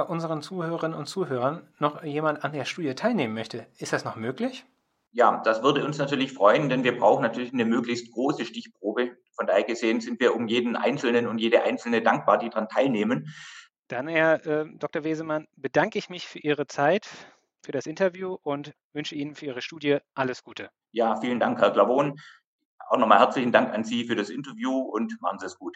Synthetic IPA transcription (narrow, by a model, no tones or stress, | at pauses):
ʔʊnzəʁ̞ənt͡suːhøːʁəʁɪnənʊntt͡suːɦøːʁɐnːɔχjeːmantandeːɐʃtuːdjətʰaɪlneːmənmœçtəʔɪstd̥asnɔχmøːklɪç | ja̰ːd̥asv̥ʏɐdəʊnsnatʰyːɐlɪçfʁ̥ɔʏəndɛnviːɐbʁaʊxn̩natʰyːɐlɪçnəmøːklɪçst̚ɡ̥ʁoːsəʃtɪçpʁ̥oːbə | fɔndaːheɐɡəzeːənzɪntv̥iːɐʔʊmjeːdn̩ʔa̰ɪnt͡sl̩nənʊntjeːɾəʔa̰ɪnt͡sl̩nədaŋk̚b̥aːɐdiːdaʁantʰaɪlneːmən | d̥anhɛɐʔɛːd̥ɔk̚tɐveːzəmanbədaŋkəɪçmɪçfyːɐʔiːʁ̞ət͡saɪt | fyːɐɾasʔɪntɐvjuːʔʊnt | vʏnʃəʔiːnənfyːɐʔiːʁəʃtuːdjəʔaləsɡ̥uːtʰə | jaːfiːləndaŋkhɛɐklavoːn | a̰ʊxnɔχmaːlhɛɐt͡slɪçn̩daŋkanziːfyːɐɾasʔɪntɐvjuːʊntmaχn̩ziːdasɡ̥uːt